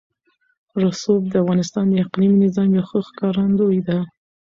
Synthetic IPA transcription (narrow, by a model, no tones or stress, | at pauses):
ɾasob̚d̪əafɣɑnɪst̪ɑnd̪əɪqliminɪzɑmjawxəxkɑɾand̪ojd̪a